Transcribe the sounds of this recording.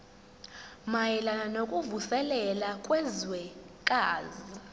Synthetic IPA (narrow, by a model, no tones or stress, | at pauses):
majɛlananokʼuvusɛlɛlakʼwɛzwɛ | kʼaːzi